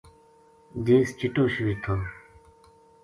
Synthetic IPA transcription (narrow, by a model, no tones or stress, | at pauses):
d̪ĩːst͡ɕiʈoːɕwit̪ʰaː